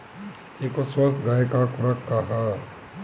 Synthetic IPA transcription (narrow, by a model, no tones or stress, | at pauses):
eːkoswɐst̪ɡajekakuɾɐkːaɦa